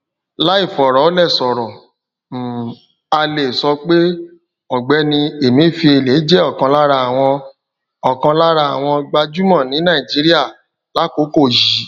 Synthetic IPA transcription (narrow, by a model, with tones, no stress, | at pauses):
la˦i˦˨fɔ˨ɾɔ˨˦lɛ˦˨sɔ˨ɾɔ˨ | m̩˨ | a˧le˨sɔ˧k͡pe˦ | ɔ˨ɡ͡bɛ˨˦nĩ˧e˨mĩ˦˨fi˧e˧˨le˨˦d͡ʒɛ˦ɔ˦˨kã˧la˦ɾa˧a˨w̃ɔ̃˧ | ɔ˨kã˧la˦ɾa˧a˨w̃ɔ̃˧ɡ͡ba˧d͡ʒu˦mɔ̃˦˨nĩ˨˦nã˦˨i˨d͡ʒi˨˦ɾi˦a˦˨ | la˦ko˨˦ko˦˨ji˨˦